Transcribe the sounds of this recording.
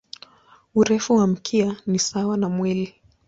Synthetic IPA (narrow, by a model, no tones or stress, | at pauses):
uɾɛfuwam̩kʰianisawanamwili